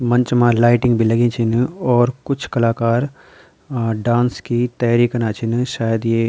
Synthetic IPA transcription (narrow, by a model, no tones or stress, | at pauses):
mɐ̃ɲt͡ʃmãːlaːɪʈɪ̃ŋɡbʱilɐɡẽːt͡ʃʰɪnɔːɾkʊt͡ʃʰkɐlaːkaːɾ | ɖãːnskit̪ɐjaːɾikənaːt͡ʃʰɪnʃaːjəd̪jeː